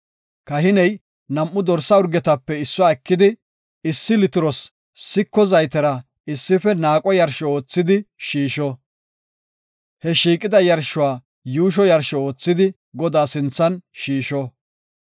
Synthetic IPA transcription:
kɐɦɪnɛj | nɐmʔːʊd̪ɔɾsːɐʊɾɡɛt̪ɐpːɛɪsːɔaːɛkːɪd̪ɪ | ɪsːɪlɪt̪ɪɾɔs | sɪkːɔzɐjt̪ɛɾɐ | ɪsːɪfɛnaːkʼɔjɐɾʃɔo̞ːt͡sːɪd̪ɪʃiːʃɔ | hɛʃiːkʼɪd̪ɐjɐɾʃʊwaː | juːʃ̬ɔjɐɾʃɔo̞ːt͡sːɪd̪ɪ | ɡɔd̪aːsɪnt͡sːɐnʃiːʃɔ

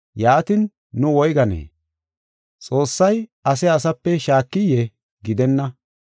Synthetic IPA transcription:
jaːt̪ɪnː | ʊwɔjɡɐnḛː | t͡sʼo̞ːsːɐjɐs̬ɛɐs̬ɐpːɛʃaːkːɪjɛ | ɡɪd̪ɛnːɐ

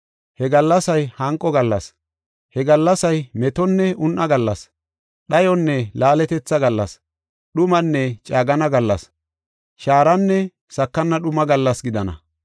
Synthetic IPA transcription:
hɛɡɐlːɐsɐjhɐŋkʼːɔɡɐlːɐs | hɛɡɐlːɐsɐjmɛt̪ɔnːɛʊnʔɐɡɐlːɐs | ɗɐjɔnːɛlaːlɛt̪ɛt͡sːɐɡɐlːɐ̰s | ɗʊmɐnːɛt͡ʃʼaːɡɐnɐɡɐlːɐs | ʃaːɾɐnːɛ | sɐkːɐnːɐɗʊmɐɡɐlːɐsɡɪd̪ɐnɐ̰

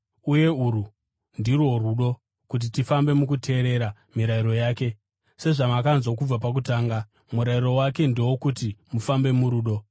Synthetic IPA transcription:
uje̞uɾu | ndirwo̞ruɗo̞ | kut̬itifambe̞mukutʰe̞ːɾe̞ɾa | miɾaiɾo̞jaːke̞ | se̞ʐamakanzwok̬ub͡vapak̬utaːŋɡa | muɾaiɾo̞wake̞nde̞wokutimufambe̞muɾuːɗo̞

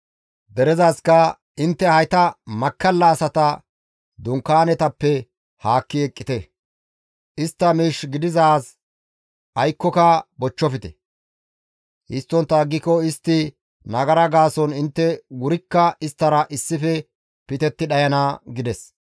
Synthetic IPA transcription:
d̪ɛɾɛzaːskɐ | ɪnt̪ːɛhɐjt̪ɐmɐkːɐlːɐːsɐt̪ɐ | d̪ʊŋkːaːnɛt̪ɐpːɛ | haːkːɪɛkʼːɪt̪ɛ | ʔɪst̪ːɐmiːʃɡɪd̪ɪzaːs | ʔɐjkːɔkɐbɔt͡ʃːɔfɪt̪ɛ̰ | hɪst̪ːɔnt̪ːɐɡːɪkɔɪst̪ːɪ | nɐɡɐɾɐɡaːsɔnɪnt̪ːɛwʊɾɪkːɐɪst̪ːɐɾɐʔɪsːɪfɛ | pɪt̪ɛt̪ːɪɗɐjɐnaːɡɪd̪ɛs

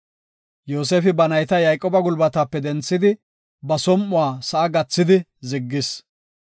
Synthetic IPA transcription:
joːs̬eːfɪbɐnɐjt̪ɐjɐjkʼɔbɐɡʊlbɐt̪aːpːɛd̪ɛnt͡sːɪd̪ɪ | bɐsɔmːʊwaːsɐʔːɡɐt͡sːɪd̪ɪzɪɡːɪs

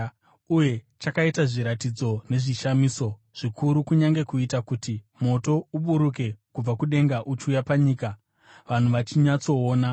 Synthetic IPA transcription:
uje̞ | t͡ʃakaitaʐiɾatid͡zo̞ne̞ʐiʃamiːso̞ | ʐ̥ikʰuɾukuɲaŋɡe̞kuitakuti | mo̞to̞uɓuɾuke̞kub͡vakuɗe̞ŋɡaʔut͡ʃujapaɲiːka | ʋan̤uʋat͡ʃiɲat͡so̞ːna

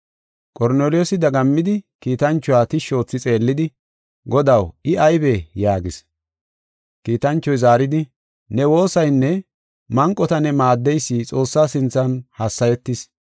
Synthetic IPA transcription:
kʼɔɾneːlɪjoːsɪd̪ɐɡɐmːɪd̪ɪkiːt̪ɐnt͡ʃːʊwaːt̪ɪʃo̞ːt͡sːɪt͡sʼe̞ːlːɪd̪ɪ | ɡɔd̪ɐwɪɐjbejaːɡɪs | kiːt̪ɐnt͡ʃːɔjzaːɾɪd̪ɪ | nɛwo̞ːsɐjnːɛ | mɐŋkʼːɔt̪ɐnɛmaːd̪ːɛjsːiːt͡sʼo̞ːsːaːsɪnt͡sːɐnhɐsːɐjɛt̪ːɪs

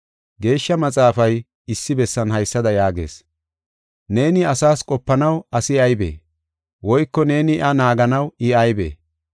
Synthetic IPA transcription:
ɡe̞ːʃːɐmɐt͡sʼaːfɐj | ɪsːɪbɛsːɐnhɐjsːɐd̪ɐjaːɡe̞̰ːs | ne̞ːnɪɐsaːskʼɔpːɐnɐwɐsɪɐjbḛː | wɔjkːɔne̞ːnɪɪʔɐnaːɡɐnɐwɪɐjbḛː

